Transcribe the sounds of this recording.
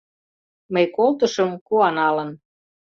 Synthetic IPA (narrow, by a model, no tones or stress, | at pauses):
məjkolt̪ə̆ʃɤ̆mkuɑnɑlɤ̆n